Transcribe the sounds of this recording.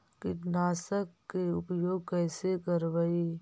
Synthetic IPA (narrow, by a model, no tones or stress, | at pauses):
kɪnaːsəkːeʊpjoːɡ̚kɛːsekəɾʋai